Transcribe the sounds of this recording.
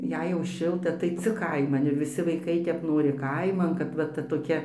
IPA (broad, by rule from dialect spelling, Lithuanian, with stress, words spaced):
ˈjɛɪ jɛʊ ˈʃʲɪlˠtɐ tɐɪ ˈt͡sʲɪk ˈkɐɪmɐn ɪr ʋʲɪˈsʲɪ ʋɐɪˈkɐɪ tʲɛp ˈnoːrʲɪ ˈkɐɪmɐn kɐt ʋɐ ˈtɐ toːˈkʲɛ